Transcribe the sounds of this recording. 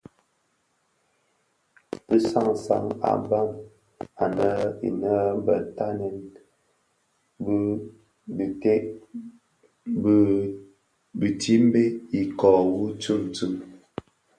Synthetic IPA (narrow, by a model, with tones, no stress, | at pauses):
pə˦sa˦˨ŋsa̰˨˦ŋa̰˨ba˦˨m | a˨nə˦ḭ˨nə˦m˦bə̰˨ta˦nɛ˨n | b | bi˨te˦ʔ | b | bi˨ti˦m˦be˦i˨kɔ˨wu˦t͡su˦˨mt͡su˦˨m